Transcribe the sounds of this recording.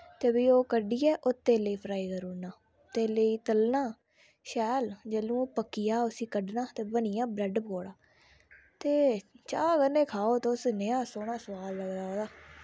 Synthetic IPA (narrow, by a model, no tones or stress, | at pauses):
t̪ebiːoːkəɖiːɛːʔʊt̪ːeːləiːpʰɾaːiːkəɾuːnaː | t̪eːləiːt̪əlnaː | ʃɛːld͡ʒəːlũːoːpəkːijaːʊsiːkəɖnaːt̪eːbənɪjãːbɾɛɖpkoːɽaː | t̪eːt͡ʃaːkəɾnẽːkʰaːoːt̪eʊsneːaːsoːɽ̃aːsəʋaːlːəɡd͡ʒaːoːd̪aː